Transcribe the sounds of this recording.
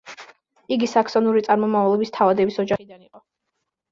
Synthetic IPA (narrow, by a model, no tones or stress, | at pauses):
iɡisakʰsɔnuɾit̪sʼaɾmɔmavlˠɛbist̪ʰavad̪ɛbisɔd͡ʒaχid̪aniqʼɔ